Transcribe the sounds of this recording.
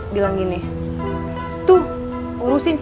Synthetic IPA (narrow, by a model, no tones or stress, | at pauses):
bilaŋɡini | t̪u | uɾusɪns